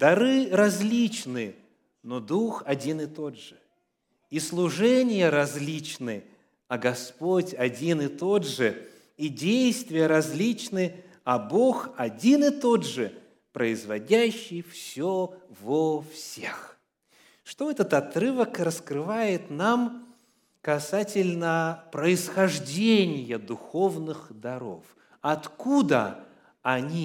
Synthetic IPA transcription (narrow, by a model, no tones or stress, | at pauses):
d̪ɐɾɨɾɐzʲlʲit͡ɕnɨ | nod̪uxɐdʲinɪt̪o̞dʐɨ | islˠʊʐɛnʲɪjəɾɐzʲlʲit͡ɕnɨ | ɐɡɐspotʲɐdʲinɨt̪o̞dʐɨ | idʲejst̪vʲɪjəɾɐzʲlʲit͡ɕnɨ | ɐbo̞xɐdʲinɨt̪o̞dʐɨ | pɾəɪzvɐdʲæɕːɪjfsʲovəfsʲex | ʂt̪oɛt̪ət̪ɐt̪ɾɨvəkrəskɾɨvajɪt̪nam | kɐsatʲɪlʲnəpɾəɪsxɐʐdʲenʲɪjəd̪ʊxo̞vnɨxd̪ɐɾo̞̰f | ɐt̪kud̪ə̰ | ɐnʲi